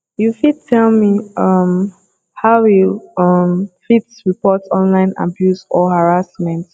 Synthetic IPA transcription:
jufid̚tʰɛlmiʌm | haʊiʌmfitsɹipɔtɔ̃nlãɪ̃na̰bjusɔhaɹasmɛ̃nt

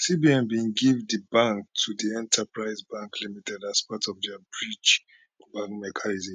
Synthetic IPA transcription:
sibiɛ̃nbĩnɡivdibãŋk̚tʰudiɛ̃ntʰapɹaɪzbãŋklimitʰɛdaspatʰɔvdɛabɹit͡ʃ | bãŋkmɛkʰanizĩm

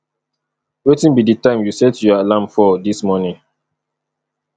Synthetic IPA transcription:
wetĩnbiditãɪ̃mjusɛtjɔalãmfɔdismɔnĩŋ

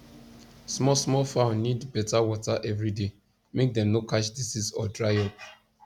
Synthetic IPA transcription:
smɔsmɔlfãʊ̃nːidbɛtawɔtaʔɛvɹide | mek̚dɛ̃mnokaʃdisisɔdɹaɪɔp̚

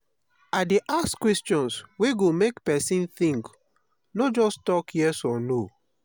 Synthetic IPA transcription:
adeʔaskwɛstɔ̃nsweɡomekpɛsĩnθĩŋk | nod͡ʒɔstɔkjɛsɔ̃no

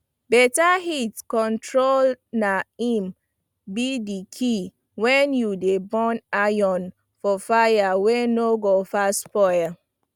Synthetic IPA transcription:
bɛtahitkɔ̃ntʰɹolnaĩm | bidikʰi | wɛ̃njudebɔ̃najɔ̃n | fɔfajawenoɡofaspɔja

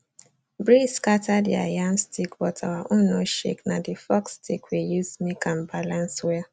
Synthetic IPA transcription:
bɹiskatadḭa̰jamstʰikwɔtʰawaʔʊnoʃḛknadifɔkstikwejuzmikãmbalãnswɛ

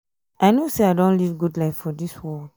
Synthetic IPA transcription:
aɪnoseaɪdõnlivɡudlaɪfːɔdiswɔl

